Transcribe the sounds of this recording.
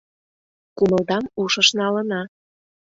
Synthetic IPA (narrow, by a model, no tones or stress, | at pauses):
kuməld̪ɑmuʃəʃnɑlənɑ